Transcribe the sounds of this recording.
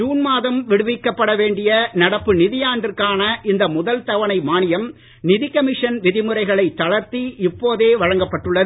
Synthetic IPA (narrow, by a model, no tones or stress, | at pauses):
d͡ʒuːnmaːðɐmʋɪɽɯʋɪkːɐpːɐɽɐʋeːɳɖɪjɐnɐɽɐpːɯnɪðɪjaːɳɖɪrkaːnɐʔɪnd̪ɐmʊðɐlt̪ɐʋɐnɐɪmaːnɪjɐm | nɪðɪkɐmɪʂɐnʋɪðɪmɯrɐɪɣɐɭɐɪt̪ːɐɭɐɾt̪iɪpːoːðeːʋɐɻɐŋɡɐpːɐʈːɯɭːɐðɯ